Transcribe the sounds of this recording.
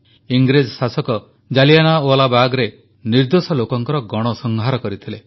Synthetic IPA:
iŋɡɾed͡ʒɔsasɔkɔ | d͡ʒalijanaolabaɡɾe | niɾd̪osɔlokɔŋkɔɾɔɡɔɽ̃ɔsɔŋɡʱaɾɔkɔɾit̪ʰile

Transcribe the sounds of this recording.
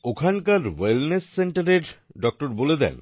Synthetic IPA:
okʰankaɾwelnesːeɳʈaɾeɾɖɔk̚ʈoɾboled̪ɛ̰n

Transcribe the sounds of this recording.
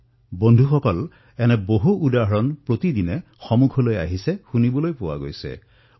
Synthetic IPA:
bɔnd̪ʱuxɔkɔl | ɛnɛboɦuʔːd̪aɦɔɹɔnpɹot̪id̪ine | xɔmukʰɔloja̰ɦisexunibɔlojpowa̰ɡo̰jsḛ

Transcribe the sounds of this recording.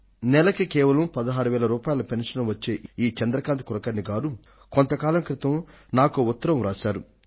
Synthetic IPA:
nɛlɐkikɛːʋɐlɐmpɐd̪ɐɦaːɾuʋɛːlɐɾuːpaːjilɐpenʂɐnɐʋɐt͡ʃːeːʔiːt͡ʃɛnd̪ɾɐkaːnt̪kuɾɐkɐnːiɡaːɾu | kont̪ɐkaːlɐmkɾɪt̪ɐmnaːkuut̪ːɐɾɐmɾaːʃaːɾu

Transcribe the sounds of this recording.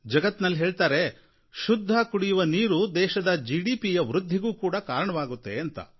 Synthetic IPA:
d͡ʒɐɡɐt̪ːnɐlːɦeːɭt̪aːɾe̞ | ʃud̪ʱːɐkuɽijuʋɐniːɾud̪ɛːʃɐd̪ɐd͡ʒiɽiːpijɐʋɾud̪ʱːiɡuːkuːɽɐkaːɾɐɳɐʋaːɡut̪ːe̞ɐnt̪ɐ̰

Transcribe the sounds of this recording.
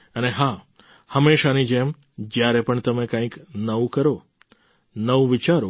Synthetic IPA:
əneɦa | həmeʃanid͡ʒem | d͡ʒjaɾepəɳt̪əmekãĩknəʋũkəɾo | nəʋũʋɪt͡ʃaɾo

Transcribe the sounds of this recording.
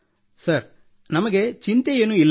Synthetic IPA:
sɐɾ | nɐmɐɡet͡ʃint̪ejenuilː

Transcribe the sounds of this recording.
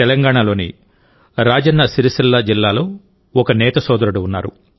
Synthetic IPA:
ɛlɐŋɡaːɳalo̞ːnḭ | ɾaːd͡ʒɐnːɐsiɾisɐlːɐd͡ʒilːaːlo̞ː | ɔkɐnɛːt̪ɐsɔːd̪ɐɾɐɽuːnːa̰ːɾṵ

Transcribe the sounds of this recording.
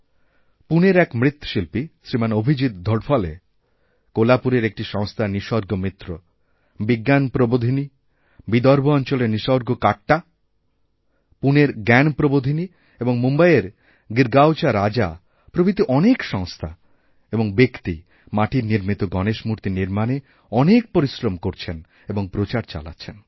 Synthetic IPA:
puneɾɛkmɾit̪ːo̥ʃilpisɾimanobʱid͡ʑit̪̚d̪ʱoɽfʰɔlḛ | kolapuɾeɾek̚ʈiʃɔŋst̪ʰaniʃɔɾɡʱomit̪ːɾo | biɡːanpɾobod̪ʱini | bid̪ɔɾbʱoɔnt͡ɕoleniʃɔɾɡokaʈːa | puneɾɡɛnpɾobod̪ʱini | eboŋmumbaeɾ | ɡiɾɡawt͡ɕaɾad͡ʑa | pɾobit̪iʔɔnekʃɔŋst̪ʰa | eboŋbekt̪ḭ | maʈiɾniɾmit̪oɡɔneʃmuɾt̪iniɾmane | ɔnek̚poɾisɾomkoɾt͡ɕʰen | eboŋpɾot͡ɕaɾt͡ɕa̰la̰tːɕʰen

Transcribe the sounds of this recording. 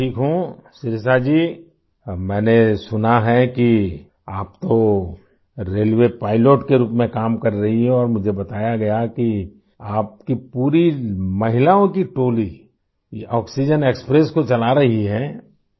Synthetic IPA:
ʈʰiːkɦũsɪɾɪs̬ad͡ʒiː | mɛ̃ːnesʊnaɦɛki | aːpt̪o | ɾeːlʋepaːɪloːʈkeɾuːpmẽkaːmkɐɾːɐɦiɦɛɔːɾmʊd͡ʒʱebɐt̪aːjaɡɐjaki | aːpkipuːɾimɐɦɪlaõkiʈoːli | ɔːksid͡ʒəneːkspɾeskot͡ʃɐlaɾɐɦiɦɛː

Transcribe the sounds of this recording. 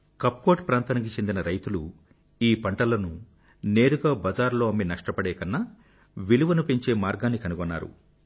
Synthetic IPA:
kɐpːko̞ːʈpɾaːnt̪aːnik̬it͡ʃend̪inɐɾɐjt̪ulu | iːpɐɳʈɐlɐnu | neːɾuɡaːbɐd͡ʒaːɾlo̞ːɐmːinɐʂʈɐpɐɽɛːkɐnːa | ʋiluʋɐnupeɲt͡ʃe̞ːmaːɾɡaːnːikɐnuɡɔnːaːɾṵ

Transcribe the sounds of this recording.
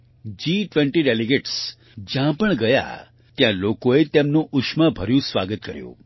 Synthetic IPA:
d͡ʒiʈʋẽɳʈiɖeliɡeʈs | d͡ʒjãpəɳɡəja̰ | t̪jãlokoet̪emnũʔʊʃməbʱəɾjũsʋaɡət̪kəɾjṵ̃

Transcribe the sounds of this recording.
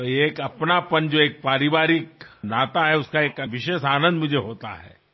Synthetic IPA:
t̪ojekɐpnapɐnd͡ʒoːeːk̚paːɾɪʋaːɾɪknaːt̪aɦɛʊskaeːkʋɪʃeːʃaːnə̃nd̪mʊd͡ʒʱeɦoːt̪a̰ɦɛ̰ː

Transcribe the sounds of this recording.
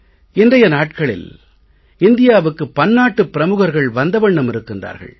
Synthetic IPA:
ɪndrɐjɐnaːʈkɐɭɪ̰l | ɪnd̪ɪjaːʋɯkːɯpːɐnːaːʈːɯpːɪɾɐmɯɣɐɾɣɐɭʋɐnd̪ɐʋɐɳːɐmɪɾɯkːɪndra̰ːɾɣɐ̰ɭ

